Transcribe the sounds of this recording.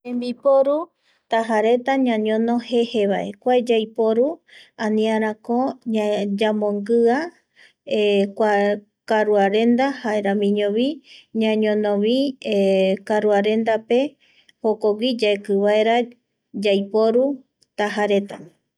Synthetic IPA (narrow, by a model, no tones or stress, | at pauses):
ẽmbipoɾu | t̪aɦaɾe̞t̪aɲãɲõnõhe̞he̞βaʔe̞kʷaed͡ʒajpoɾuãnĩaɾ̃ãkoɲad͡ʒamõŋɡɨa | ekʷa | kaɾuaɾe̞nd̪ahaeɾamĩɲõβiɲãɲõnõβi | kaɾuaɾe̞nd̪ape̞ | hokoɡid͡ʒaekɨβaeɾa | d͡ʒajpoɾu | t̪aɦaɾe̞t̪a